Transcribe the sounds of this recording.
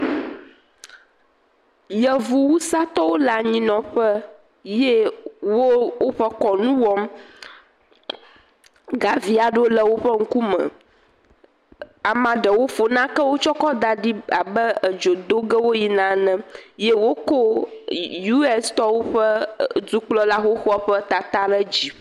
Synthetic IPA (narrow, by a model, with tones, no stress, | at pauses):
jə˨vu˦wu˦sa˦t̪ɔ˦wo˦la˨ɲĩ˦nɔ̃˨ɸə˦ | je˦wo˦wo˦ɸə˦kɔ˨nũ˦wɔ˦m | ɡa˨vi˦a˨ɖo˦lə˦wo˦ɸə˦ŋ̩˦ku˦mɛ̰̃˨ | a˨mã˨ɖə˨wo˦fo˨nã˦kə˦wo˦t͡ʃɔ˦kɔ˦d̪a˨ɖi˦a˨bə˦ə˨d͡ʒo˨d̪o˦ɡə˦wo˦ji˨nã˨˦nɛ̃˨je˦wo˦ko˦ | ju˦ɛ˦st̪ɔ˦wo˦ɸə˦d͡zu˦k͡plɔ˦la˦xo˦xɔ˦ɸə˦t̪a˨t̪a˦ɖə˦d͡ʑi˦